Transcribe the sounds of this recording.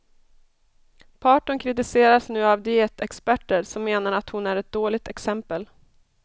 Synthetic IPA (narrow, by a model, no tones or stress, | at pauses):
pʰɑːʈʊnkʰɾɪt̪ɪseːɾasnʉ̟ːavd̪ɪeːt̪ɛkspæʈːəɾsɔmːeːnaɾat̪hʊnæɾɛt̪̚d̪oːlɪɡ̚t̪ɛksɛmpəl